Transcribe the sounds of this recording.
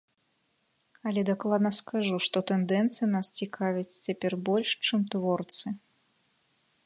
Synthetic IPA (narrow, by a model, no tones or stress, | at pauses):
ɐlʲɛd̪aklˠad̪nɐskaʐuʂt̪ɔt̪ɛnd̪ɛnt̪sɨjnast͡sʲikʰavʲit͡sʲt͡sʲapʲɛrbɔlʲʂt͡ʂɨmt̪vɔrt̪sɨ